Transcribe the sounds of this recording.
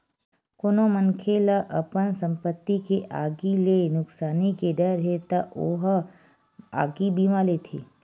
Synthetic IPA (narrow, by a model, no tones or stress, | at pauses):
konomənkʰelaʔəpənsəmpət̪ːikeʔaɡilenʊksaːnikeɖəɾɦet̪aʔoɦ | a̰ɡibimãlet̪ʰḛ